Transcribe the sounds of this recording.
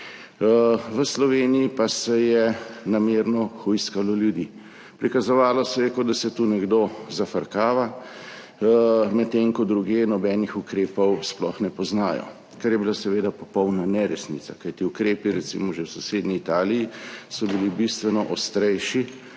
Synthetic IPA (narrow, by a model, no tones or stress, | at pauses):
ʋəslɔʋeːnijipasɛjɛnameːɾnɔxujskalɔljud̪i | pɾikazɔʋaːlɔsɛjɛkɔd̪asɛt̪unɛɡd̪ozafəɾkaːʋa | mɛt̪ːeŋkɔd̪ɾuɡjeːnɔbɛːnixukɾeːpɔwsplɔxnɛpɔznaːjɔ̰ | kaɾjɛbilasɛʋeːd̪apɔpɔwnanɛɾɛsnḭt̪sakajt̪iukɾeːpiɾɛt̪sḭmɔʒewsɔseːd̪niːt̪aːlijisɔbilibist̪ʋɛnɔʔɔst̪ɾɛjʃi